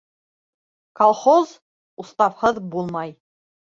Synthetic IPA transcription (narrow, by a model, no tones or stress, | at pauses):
kolˠχoz | ust̪ɑfχɤðbulˠmɑj